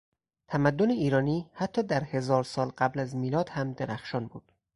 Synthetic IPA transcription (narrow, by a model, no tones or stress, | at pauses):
t̪ʰæmæd̪ːoneiːɾɒːniːhæt̪ʰːɒːd̪æɾhe̞zɒːɾsɒːlɢæblæzmiːlɒːd̪̥hæmd̪eɾæxʃɒːnbuːd̪̥